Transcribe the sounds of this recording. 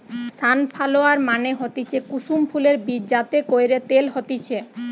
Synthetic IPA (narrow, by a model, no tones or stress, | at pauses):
st̪ʰanpʰaloaɾmaneɦot̪it͡ɕʰekuʃumpʰuleɾbiɾd͡ʑat̪ekojɾet̪elɦot̪it͡ɕʰe